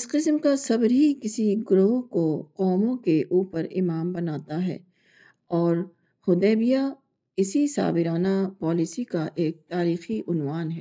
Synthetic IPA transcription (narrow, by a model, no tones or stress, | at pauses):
ɪsqɪsmkasɐbɾɦikɪsiɡʊɾoːɦkoqɔːmõkeʔuːpəɾɪmaːmbɐnaːt̪aɦɛ̰ː | ɔːɾ | hʊd̪ɛːbija | ɪsisa̰ːbɪɾaːnapɔːlɪsikaʔeːk̚t̪aːɾiːxiʔʊnʋaːnɦɛː